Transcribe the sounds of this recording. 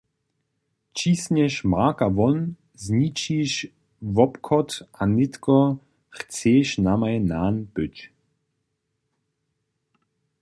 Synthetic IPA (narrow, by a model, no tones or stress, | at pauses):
t͡ʃisɲɛʃmakaʋɔn | zɲit͡ʃiːʃ | vɔpkʰɔt̪ʔanɪt̪kɔ | xt͡seːʃnamajnaːnpʏt͡ʃ